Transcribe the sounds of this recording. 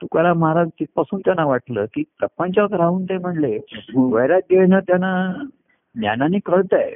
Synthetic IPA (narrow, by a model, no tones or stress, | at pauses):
t̪ukaɾaməɦaɾad͡ʑt̪ipasuːnt̪janːaʋaʈləːkiːt̪əpant͡ɕaəkɾauːnt̪ẽm̤əɳleməʋəjɾat̪̚ɡeɭnət̪janːa | nja̰naniːkəɭt̪aj